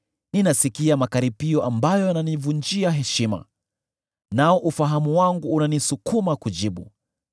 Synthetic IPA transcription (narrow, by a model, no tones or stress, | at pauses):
ninasikiamakaɾipiɔʔambajɔananivund͡ʒiaɦɛʃima̰ | naɔʔufaɦamuwaŋɡuːnanisukumakud͡ʒiɓṵ